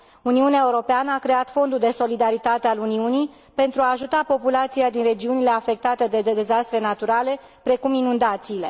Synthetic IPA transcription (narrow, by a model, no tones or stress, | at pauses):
uniuneaeuɾo̞peanəakɾe̞at̪fo̞nd̪uld̪e̞so̞lid̪aɾit̪at̪e̞aluniunij | pe̞nt̪ɾuaːʒut̪apo̞pulat̪siad̪inre̞d͡ʒiunile̞afe̞k̚t̪at̪e̞d̪e̞d̪e̞d̪e̞zast̪ɾe̞nat̪uɾale̞ | pɾe̞kuminund̪at̪siːle̞̰